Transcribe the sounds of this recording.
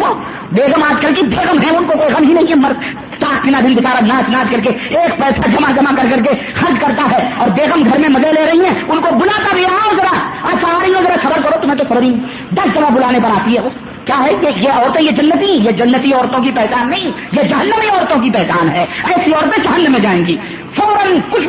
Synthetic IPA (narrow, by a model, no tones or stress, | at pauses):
o | beːɣəmaːd͡ʒkɐlk̬ibeːɣəmɦɛ̃ʊnkokoːiɣɐmɦinɐɦĩkmɐɾd̪ | t̪aːkt̪ɪnad̪ʱɪnbɪt͡ʃaːɾanaːd͡ʒnaːd͡ʒkɐɾk̬eeːk̚pɛːsad͡ʒɐmad͡ʒɐmakɐɾkɐɾk̬e | xɐɾd͡ʒkɐɾt̪aɦɛɔːɾbeːɣəmɡʱɐɾmẽmɐd͡ʒeleɾɐɦiɦɛ̃ʊnkobʊlaːt̪abʱiaõzɐɾaaːd͡ʒsɐaːɾɐiõzɐɾasɐbəɾkɐɾot̪ʊmɦẽt̪̬osɐbɾĩ | d̪ɐsd͡ʒɐɡʱabʊlaːnepɐɾaːt̪iɦɛo | kjaːɦɛjejeɔːɾət̪ɛ̃jed͡ʒɐnːət̪ĩjed͡ʒɐnːət̪iɔːɾt̪õkipɛːt͡ʃaːnːɐɦĩ | jed͡ʒɐɦənːəmiɔːɾt̪õkipɛɦt͡ʃaːnɦɛːɛːsiɔːɾət̪ẽd͡ʒɐɦənːəmẽd͡ʒaːẽːɡiː | fɔːɾə̃nkʊt͡ʃʰ